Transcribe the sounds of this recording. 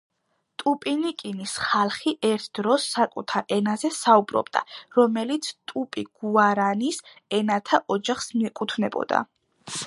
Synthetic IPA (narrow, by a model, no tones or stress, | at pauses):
t̪ʼupʼinikʼinisχalˠχiʔɛɾt̪ʰd̪̥ɾɔsːakʼṵt̪ʰaɾɛnazɛsaubɾɔ̰bd̪a̰ɾɔmɛlit̪sʰt̪ʼupʼiɡ̥uaɾanis | ɛnat̪ʰaʔɔd͡ʒaχsmiɛkʼut̪ʰvnɛbɔ̰d̪a̰